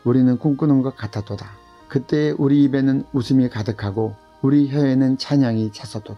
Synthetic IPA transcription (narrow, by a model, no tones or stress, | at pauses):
uɾinɯnkuŋk͈ɯnɯnɡʌk͈atʰat͈oda | kɯt͈e̞ːʔuɾiːbe̞nɯnusʰɯmikadɯkʰaɡo | uɾiçjʌenɯnt͡ɕʰaɲaŋit͡ɕʰas͈ʌt͈oda